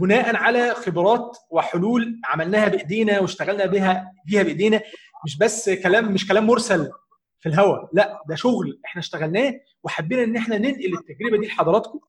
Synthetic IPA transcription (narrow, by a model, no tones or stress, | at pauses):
benæːʔænʕalæxebɾˤɑːt̪weħoluːlʕamælnæːhæbeʔd̪iːnæweʃt̪æɣælnæːbiːɦæbiːhæbeʔd̪iːnæ | meʃ̬bæsːkælæːmːeʃkælæːmːoɾsæl | filɦæwælæʔd̪æʃoɣlʔeħnæʃt̪æɣælnæː | weħabːiːnæʔenːʔeħnænenʔilet̪ːæɡɾebæd̪iːlħɑd̪ˤɑɾˤɑːt̪ko